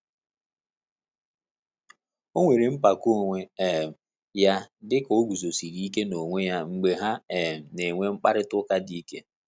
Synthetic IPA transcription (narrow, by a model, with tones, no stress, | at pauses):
o˦ŋʷe˨ɾi˨m̩˦pa˨ko˦˨ŋʷe˦e˨m̩˨ | ja˦dɪ˦ko˦ɡʷu˨zo˨si˨ɾi˦ke˦no˨ŋʷe˦ja˦ŋ͡m̩˨ɡ͡be˦ɦa˦e˨m̩˨ne˨ŋʷe˦ŋ͡m̩˦k͡pa˦ɾɪ˦tʊ˦ka˦di˦ke˦